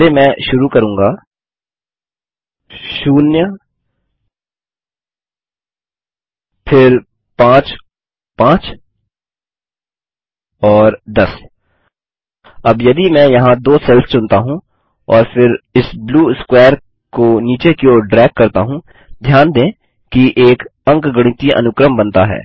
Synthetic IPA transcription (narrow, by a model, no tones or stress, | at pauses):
emɛ̃ːʃʊɾukɐɾũːŋɡaː | ʃuːnjə | pʰɪɾ | pãːt͡ʃ | pãːt͡ʃ | ɔːɾd̪ɐs | ɐbjɐd̪imɛ̃jɐɦãd̪oːsɛlssʊ̃nt̪aɦũ | ɔːɾfɪɾɪsbluːskwɛːɾ | koniːt͡ʃekioːɖɾɛːk̚ːɐɾt̪aɦũ | d̪ʱjaːnd̪ẽː | kiʔeːkɐ̃ŋkɡɐɽ̃ĩt̪iʔɐ̰nʊkɾəmbɐ̃nt̪aɦɛ̰ː